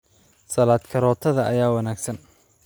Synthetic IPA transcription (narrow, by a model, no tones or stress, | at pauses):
sɐlaːd̪kʰɐɾɔːt̪ʰɐðɐʔɐjaːwɐnaːɡsɐn